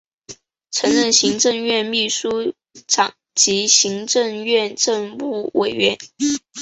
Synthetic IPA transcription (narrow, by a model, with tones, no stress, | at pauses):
ʈ͡ʂʰɤ˧˥ŋɻə˥˩nɕi˧˥ŋʈ͡ʂɤ˥˧ŋɥɛ˥˧nmi˥˩ʂu˥ | ʈ͡ʂɑ˨˩˦ŋ | t͡ɕi˧˥ɕi˧˥ŋʈ͡ʂɤ˥˧ŋɥɛ˥˧nʈ͡ʂɤ˥˧ŋpu˥˩wʔe˨˩ɪɥɛ˧˥n